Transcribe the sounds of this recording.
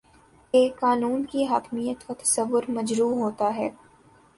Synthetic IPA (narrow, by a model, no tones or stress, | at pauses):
kekaːnuːnkiɦaːkmijət̪ʋɐt̪ɐ̥sɐʋːʊɾmɐd͡ʒɾuːɦoːt̪aɦɛː